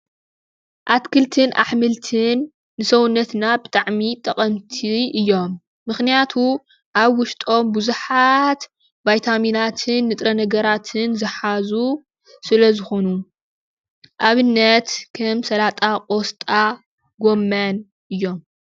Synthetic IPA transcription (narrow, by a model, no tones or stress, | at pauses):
ʔat̪kʰɨlt̪ʰɨnʔa̰ħmɨlt̪ʰɨnː | ɨsɐwnːɐt̪nabɨt̪ʼaʕmit̪ʼɐqʼɐmt̪ʰiʔɨjːo̞mː | ɨxnijat̪ʰu | ʔaβwʊʃt̪ʼo̞mbuzuħat̪ | bajt̪ʰaminat̪ʰɨnːɨt̪ʼɾɐnɐɡɐɾat̪ʰɨnzɨħazu | sɨlɐzɨxo̞nu | ʔaβɨnːɐt̪kʰɐmsɐlat̪ʼakʼost̪ʼa | ɡo̞mːan | ʔɨjːo̞m